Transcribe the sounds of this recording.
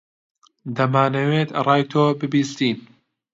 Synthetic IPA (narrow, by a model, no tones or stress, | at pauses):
d̪ɐmaːnɐwet̪rˤɑːjt̪ʰoːbɨbiːst̪iːn